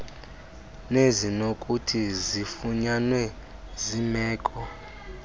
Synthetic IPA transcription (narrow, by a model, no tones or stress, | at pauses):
nezinokʼutʰizifuɲanwɛ | zimɛːkʼɔ